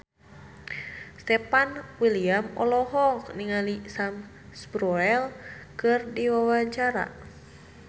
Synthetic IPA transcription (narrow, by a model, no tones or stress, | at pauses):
st̪ɛpanwiliamɔlɔɦɔkniŋalisam | sbɾɔɛlkɨrdiwawaɲt͡ʃaɾa̰